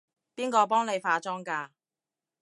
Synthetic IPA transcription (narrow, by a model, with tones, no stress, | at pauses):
piː˥nkɔː˧p̬ɔː˥ŋne˨˧jfaː˧t͡ʃɔː˥ŋkaː˧